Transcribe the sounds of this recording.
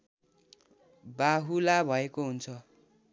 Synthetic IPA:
baɦulabʱʌekoɦunt͡sʰʌ

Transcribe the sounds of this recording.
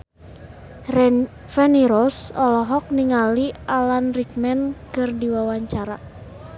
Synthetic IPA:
fɛniɾɔsɔlɔɦɔk̚niŋalialanrik̚mɛnkɨrdiwawaɲt͡ʃaɾa

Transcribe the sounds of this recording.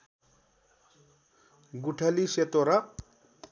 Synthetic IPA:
ɡuʈʰʌliset̪oɾʌ

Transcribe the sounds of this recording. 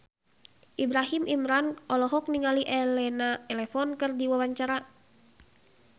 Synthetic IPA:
ʔibɾaɦimimɾanɔlɔɦɔk̚niŋaliʔɛlɛnat̪ɛlɛfɔnkɨrdiwawaɲt͡ʃaɾa

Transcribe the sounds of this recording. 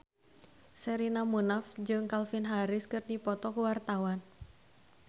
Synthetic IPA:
sɛɾinamunafd͡ʒɨŋkalfinɦaɾɪskɨrdipɔt̪ɔkuwart̪awan

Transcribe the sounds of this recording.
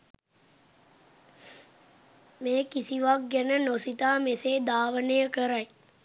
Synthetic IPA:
meːkisiʋak̚ɡænənosit̪aːmeseːd̪aːʋənejəkəɾaj

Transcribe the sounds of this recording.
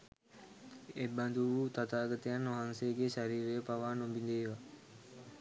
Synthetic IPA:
eband̪uʋuːt̪at̪aːɡət̪əjanːʋaɦansejəɡeʃaɾiːɾejəpaʋaːnombind̪eːʋa

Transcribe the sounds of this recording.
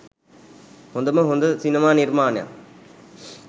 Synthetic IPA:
hond̪ɐməɦond̪əsinimaːniɾmaːnɐja̰

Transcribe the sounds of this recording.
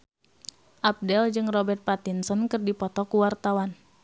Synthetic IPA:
ʔap̚dɛld͡ʒɨŋrɔbɛrt̪̚pat̪insɔnkɨrdipɔt̪ɔkuwart̪awan

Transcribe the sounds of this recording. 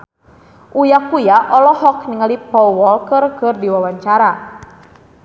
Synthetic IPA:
ʔujakujaʔɔlɔhɔk̚niŋalipɔwwɔlkərkɨrdiwawaɲt͡ʃaɾa

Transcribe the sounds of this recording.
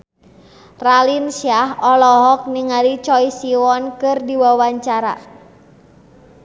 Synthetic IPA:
ralinsiaɦɔlɔɦɔk̚niŋalit͡ʃɔisiwɔnkɨrdiwawaɲt͡ʃaɾa̰

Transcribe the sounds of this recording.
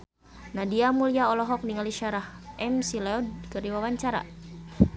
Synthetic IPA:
nadiamuliaɔlɔɦɔk̚niŋaliʃaɾahʔɛmsilɛɔd̚kəɾiwawaɲt͡ʃaɾa̰

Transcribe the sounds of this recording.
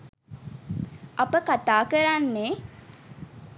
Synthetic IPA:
apəkat̪aːkəɾanːe

